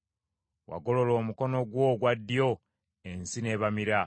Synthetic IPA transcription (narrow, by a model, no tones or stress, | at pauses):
wa̰ɡo̞lo̞lo̞ːmuko̞no̞ɡwo̞ːɡwadːijo | ensine̞ːβamiɾa